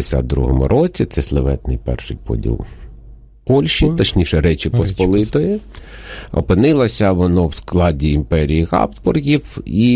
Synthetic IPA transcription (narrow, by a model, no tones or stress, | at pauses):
esʲa̰t̪̚d̪ɾṵɦɔmʊ̰ɾʔɔt͡sʲit̪sɛslˠɪʋɛ̰t̪nɪ̰jpɛ̰rʃɪjpɔ̰dʲḭlˠ | pɔlʲʃit̪ɐt͡ʃnʲiʃɛɾɛt͡ʃɪpɔspɔlˠɪt̪ɔjɛ | ɔ̰pɪnɪlˠɐsʲɐʋɔnɔwsklˠɑdʲiːmpɛɾʲijiɣɑ̰psbɔrɣʲiwi